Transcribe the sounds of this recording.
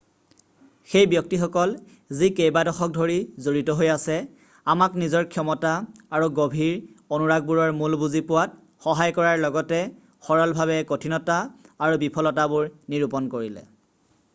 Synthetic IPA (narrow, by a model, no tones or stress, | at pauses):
xejbjɔk̚tixɔkɔl | zikejbadɔxɔk̚dʱoɹizoɹitɔɦojasɛ | amaknizɔɹkʰjɔmɔtaaɹuɡobʱiɹonuɹaɡ̚buɹɔɹmulbuzipʊwat̚ | xɔɦajkɔɹaɹlɔɡɔtɛ | xɔɹɔlbʱaβɛkotʰinɔtaːɹubipʰɔlɔtabʊɹniɹupɔnkoɹilɛ̰